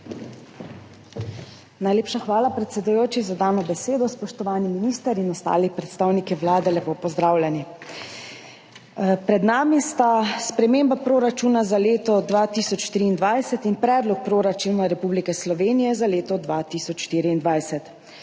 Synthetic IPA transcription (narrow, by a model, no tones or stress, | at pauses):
najleːpʃaxʋaːlapɾɛt̪sɛd̪ujoːt͡ʃizad̪aːnɔbɛseːd̪ɔspɔʃt̪ɔʋaːniminiːst̪əɾinɔst̪a̰ːlixpɾɛt̪st̪aːwnikɛʋlaːd̪ɛlɛpoːpɔzd̪ɾaːwlʲɛni | pɾɛd̪naːmist̪aspɾɛmeːmbapɾoːɾat͡ʃunazaleːt̪ɔd̪ʋat̪isɔt͡ʃʃt̪ɾiːnd̪ʋajsɛt̪inpɾɛːd̪lɔk̚pɾoːɾat͡ʃuːnaɾɛpublikɛslɔʋeːnijɛzaleːt̪ɔd̪ʋat̪iːsɔt͡ʃʃt̪iːɾiːnd̪ʋajsɛt̪